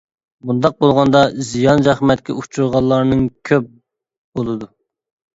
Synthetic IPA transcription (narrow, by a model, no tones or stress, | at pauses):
bund̪ɑq̚bolˠʁɑnd̪ɑzijɑnzæχmɛt̪̚kʲɛ̰ut͡ʃʰuɾʁɑlˠːɑɾnɨŋkʲʰøp̚ | b̥olˠɨd̪u